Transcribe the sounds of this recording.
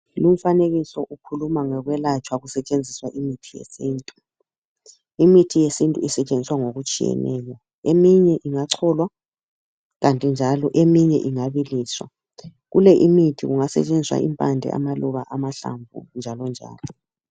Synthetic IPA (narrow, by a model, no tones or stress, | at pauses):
lum̩faneɣisɔʔukʰulumaŋɛɣwɛlat͡ʃʼwaɣusɛt͡ʃʼend͡zʱiswaʔimitʰijḛsiːntʼu | imitʰijesintʼuisɛt͡ʃʼend͡zʱiswaŋoɣut͡ʃʼijɛ̰nɛ̰ːjɔ | emiɲɛʔiŋaǀʰɔlwa | ɣantʼind͡ʒʱalɔʔemiɲɛʔiŋaβiliːswa̰ | ɣulɛʔimitʰiɣuŋasɛ̰t͡ʃʼend͡zʱiswa̰ʔḭmpʼandʱɛ̰a̰maluβaʔamaɬa̰ɱvʱṵnd͡ʒʱalɔnd͡ʒʱa̰ːlɔ